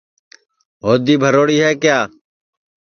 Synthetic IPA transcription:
ɦoːd̪iːbʱəɾoːɽiːɦɛːkjaː

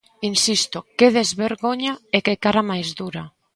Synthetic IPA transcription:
insist̪okeðezβeɾɣoɲaekekaɾamajzd̪uɾa

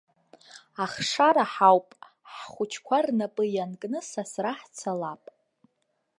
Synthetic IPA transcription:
aχʂaɾaħawpʼ | ħχʷʊt͡ʃʰkʷʰarnapʼɨjankʼnɨsasraħt͡sʷʰalapʼ

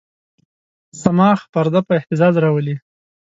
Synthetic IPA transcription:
samɑxpaɾd̪apəɪht̪ɪzɑzɾɑwəli

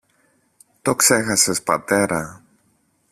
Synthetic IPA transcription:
t̪o̞kse̞xɐse̞spɐ̰t̪e̞ɾɐ

